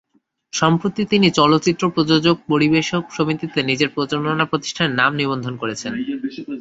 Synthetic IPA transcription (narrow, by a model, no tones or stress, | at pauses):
ʃɔmpɾot̪it̪init͡ɕɔlot̪ːɕit̪ːɾopɾod͡ʑod͡ʑoɡ̚poɾibeʃokʃomit̪it̪enid͡ʑeɾpɾot͡ɕoɾnonapɾot̪i̥ʃʈʰaneɾnamnibond̪ʱonkoɾet͡ɕʰen